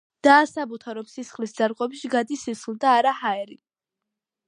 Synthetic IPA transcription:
d̪̥aːsabut̪ʰaɾɔmsisχlisd̪aɾqʼɔbʃiɡad̪isisχlˠd̪aːɾahaɛɾi

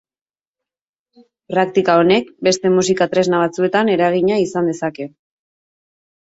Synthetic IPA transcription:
pɾak̚t̪ikao̞ne̞k̚be̞st̪e̞musikat̪ɾe̞znaβ̞at͡sue̞t̪ane̞ɾaɣ̞iɲaisand̪e̞sake̞

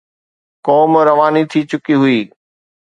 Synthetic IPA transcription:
kɔːmɾɐʋaːnit̪ʰit͡ɕʊkiɦʊiː

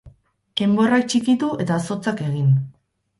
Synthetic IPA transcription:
e̞mbo̞rak̚t͡ʃikit̪ue̞t̪aːso̞t͡sake̞ɣ̞in

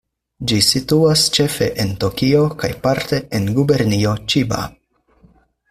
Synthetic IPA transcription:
d͡ʒisituast͡ʃe̞fe̞̰ʔento̞kio̞kajpaɾte̞enɡube̞ɾnio̞t͡ʃiba̰

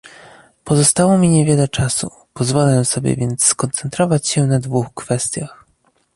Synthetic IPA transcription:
pɔzɔst̪awɔmʲiɲɛvʲjɛlɛt͡ʂasṵ | pɔzvɔlɛsɔbʲjɛ̰vʲjɛnt̪sːkɔnt̪sɛnt̪ɾɔvat͡ɕɕɛnad̪vuxkfɛst̪ʲjax

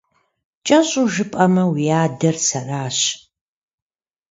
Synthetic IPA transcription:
t͡ʃʼɐɕʼuʒɨpʼɐmɐwijaːdɐrsɐraːɕ

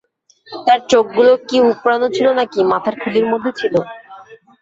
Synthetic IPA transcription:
t̪aɾt͡ɕok̚ɡulokiupɾanot͡ɕʰilonakimat̪ʰaɾkʰuliɾmod̪ʱːet͡ɕʰilo

